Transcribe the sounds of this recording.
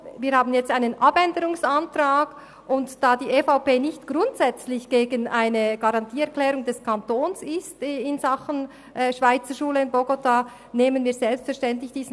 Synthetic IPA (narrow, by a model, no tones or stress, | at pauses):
viːɐhaːbn̩jɛt͡staɪnənʔabɛndəɾʊŋsantraːɡ | ʔʊntd̥aːdiːʔeːfaʊpeːnɪçtɡ̥ɾʊntsɛt͡slɪçɡ̥eːɡənʔaɪnəɡ̥aʁɑntʰiːɛɐkl̥ɛːɾʊŋdɛskʰantoːnsɪstɪnzaχən̩ | ʔːʃv̥aɪt͡səʃuːləɪnbɔɡota | neːmənviːzɛlpstfɛɐʃtɛntlɪçd̥iːzn